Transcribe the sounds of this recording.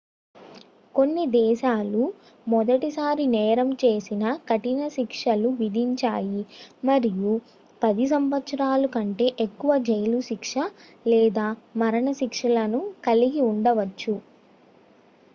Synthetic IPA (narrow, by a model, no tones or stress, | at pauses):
ko̞nːid̪ɛːʃaːlu | mɔd̪ɐʈisaːɾinɛːɾɐmt͡ʃe̞ːsinɐkɐʈinɐʃikʂɐluʋid̪ʱiɲt͡ʃaːjimɐɾiju | pɐd̪is̬ɐmʋɐt̪ʂɐɾaːlukɐɳʈe̞ːʔekːuʋɐd͡ʒɐjluʃikʂɐ | lɛːd̪aːmɐɾɐɳɐʃikʂɐlɐnukɐliɡiuɳɖɐʋɐt͡ʃːu